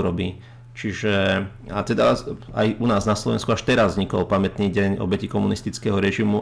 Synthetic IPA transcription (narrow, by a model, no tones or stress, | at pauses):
ɾɔbi | t͡ʃiʒɛat̪ɛd̪aa̰junaːznaslɔʋɛ̰nskuaʃt̪ɛɾazvɲikɔlpamɛt̪niːɟɛɲɔ̰bɛcikɔmunist̪it͡skɛɦɔɾɛʒimu